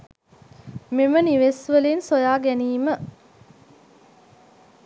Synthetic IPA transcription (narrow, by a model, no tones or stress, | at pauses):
miməniʋesʋəlinsojaːɡæniːmə